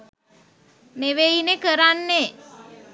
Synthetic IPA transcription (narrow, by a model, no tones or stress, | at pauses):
neʋeinekəɾanːe